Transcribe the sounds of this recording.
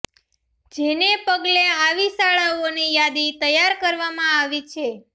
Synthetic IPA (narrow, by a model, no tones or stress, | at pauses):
d͡ʒenepəɡleaʋisaɭaonijad̪it̪əjaɾkəɾʋamãaʋit͡ʃʰe